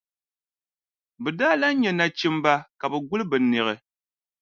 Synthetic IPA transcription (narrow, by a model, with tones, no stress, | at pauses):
bɨ˨da˦la˦ɲɛ˨na˨t͡ʃi˦m˦ba˦ka˨bɛ˨ɡu˦lɨ˦bɨ˨nɨ˨ɣɨ˨